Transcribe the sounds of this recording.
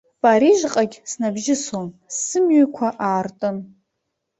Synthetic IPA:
pʼaɾiʒʷqʼaɡʲsnabʒɪsomsɨmɥʏkʷʰaʔaːrtʼɨn

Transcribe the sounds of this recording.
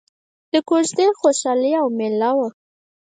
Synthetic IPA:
d̪̥əkot͡ʃd̪exoʃɑliawmɪlawə

